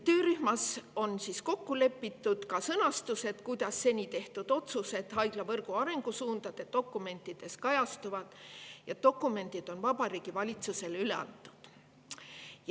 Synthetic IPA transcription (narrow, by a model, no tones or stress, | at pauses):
t̪ø̞ːɾyhmɑso̞nsisko̞kːule̞pːit̪ːˑud̪̥kɑsɤnɑst̪use̞d̪̥kujd̪̥ɑsːe̞nʲit̪e̞ht̪ud̪̥o̞t̪suse̞d̪̥ɦɑjɡ̥lɑvɤrɡ̥uɑɾe̞ŋɡ̥usuːnd̪ɑd̪̥e̞d̪̥o̞kːˑume̞nt̪ːˑid̪̥e̞skɑjɑst̪uvɑd̪̥jɑd̪o̞kːˑume̞nd̪̥id̪̥o̞nvɑbɑɾiːɡ̥ivɑlʲit̪suse̞lyle̞̰ɑ̰nt̪ːˑu̥d̪̥ | j